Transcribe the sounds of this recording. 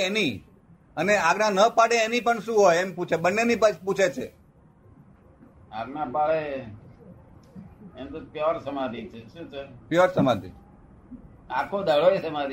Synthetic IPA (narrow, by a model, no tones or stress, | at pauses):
eni | əneaɡnanəpaɽeːnipəɳʃũɦojemput͡ʃʰebənːenipəput͡ʃʰet͡ʃʰḛ | aɡnapaɽe | emt̪opjɔɾsəmãd̪ʱit͡ʃʰeʃũt͡ʃʰepjɔɾsəmad̪ʱḭ | akʰod̪ʱəɭoet͡ʃʰemaɾi